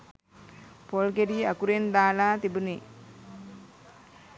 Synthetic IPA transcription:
polɡeɾiːakuɾend̪aːlaːt̪ibune

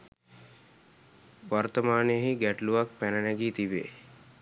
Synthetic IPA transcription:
ʋart̪əmaːnejəɦiɡæʈluʋak̚pænənæɡiːt̪iʋḛː

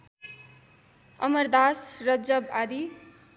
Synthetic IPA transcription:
ʌ̰mʌrd̪asrʌd͡zʌbad̪i

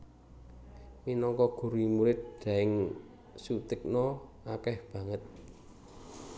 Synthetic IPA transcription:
minɔŋkɔɡ̥ṳɾimuɾɪt̪̚ɖ̪̥ä̤ɪŋ | sut̪ɪk̚nɔ | akɛhb̥ä̤ŋət̪̚

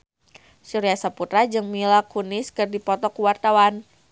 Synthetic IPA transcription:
suɾiasaput̪ɾad͡ʒɨŋmilakunɪskɨrdipɔt̪ɔkuwart̪awan

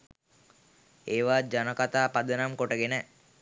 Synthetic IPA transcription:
eːʋaːd͡ʒanəkat̪aːpad̪ənamkoʈəɡenə

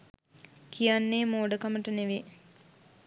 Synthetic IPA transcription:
kijanːeːmoːɖəkaməʈəneʋe

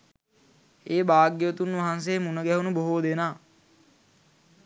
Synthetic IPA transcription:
eːbaːɡjəət̪unʋaɦans̬eːmunəɡæɦunuboɦoːd̪enaː

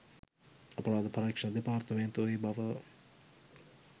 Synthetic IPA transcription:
ɐpɾaːd̪pʰɐɾɐkʂɐnd̪epaːɾt̪ʰəmẽːnt̪oibɐʋə

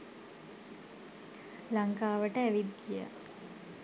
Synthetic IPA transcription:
laŋkaːʋəʈəæʋid̪ɡija̰

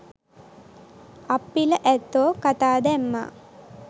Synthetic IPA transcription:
apːiləʔæt̪ːoːkat̪aːd̪ɛmːa̰ː

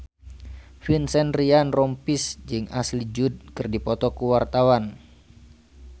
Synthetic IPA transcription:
finsɛnrianrɔmpisd͡ʒɨŋa̰slid͡ʒud̚kɨrdipɔt̪ɔkuwart̪awan

